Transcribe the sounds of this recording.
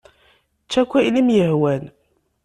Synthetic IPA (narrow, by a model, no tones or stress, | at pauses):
t͡ʃːækʷːilimjəhwæn